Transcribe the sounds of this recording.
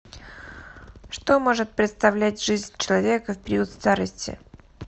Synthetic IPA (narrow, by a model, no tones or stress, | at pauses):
ʂt̪o̞mo̞ʐɨt̪̚pɾʲɪt̪st̪ɐvlʲætʲʐɨzʲnʲt͡ɕɪlˠɐvʲe̞kəfpʲɪɾʲut̪st̪aɾəsʲtʲɪ̰